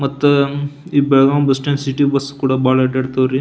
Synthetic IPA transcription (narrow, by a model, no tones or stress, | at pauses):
mɐt̪ːuiːbɛɭɡaːmbɐsʈensiʈibɐskuːɽɐbaːɭɐɖeɽt̪ɐʋɾi